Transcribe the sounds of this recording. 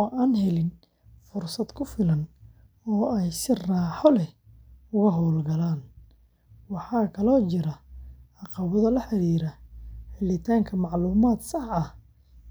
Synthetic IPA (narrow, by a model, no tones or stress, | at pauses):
ɔʔaːnɦɛlɪn | fʊrsɐd̪kʰʊfɪlɐn | ɔːɛjsɪraːħɔlɛʊɣɐɦɔlɡɐlaːn | wɑħɑːkʰɐlɔːt͡ʃɪɾɐɑqɑβɐðɐlɐħɑɾiːɾɐħɪlɪt̪ʰaːŋkʰɐmɑʕluːmaːd̪sɑħɐh